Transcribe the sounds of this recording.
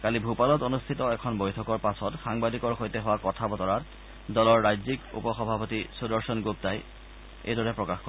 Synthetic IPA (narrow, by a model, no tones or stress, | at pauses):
kalibʱupalɔtonustʰitɔɛkʰɔnbojtʰɔkɔɹpasɔtxaŋbadikɔɹxojtɛɦʊwakɔtʰabɔtɔɹat | dɔlɔɹːajzikṵpɔxɔbʱapotisudɔɹsɔnɡup̚taj | ḛjdɔɹɛpɹɔkaxkɔ